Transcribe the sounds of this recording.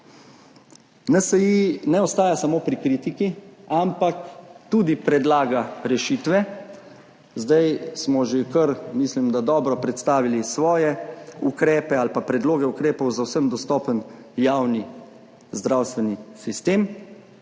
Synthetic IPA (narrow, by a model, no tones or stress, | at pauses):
nasɛjinɛɔst̪aːjasamoːpɾikɾiːt̪ikiampakt̪uːd̪ipɾɛd̪laːɡaɾɛʃit̪ʋɛ | zd̪ajsmɔʒekəɾmislimd̪ad̪ɔːbɾɔpɾɛt̪st̪aːʋilisʋɔːjɛukɾɛːpɛalpapɾɛd̪loːɡɛukɾeːpɔwzawsəmd̪ɔst̪ɔːpən | jawni | zd̪ɾawst̪ʋɛnisist̪eːm